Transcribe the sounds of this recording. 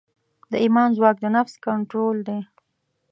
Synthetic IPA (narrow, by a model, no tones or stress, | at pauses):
d̪əimɑnzwɑk̚d̪ənafskaɳʈɾold̪e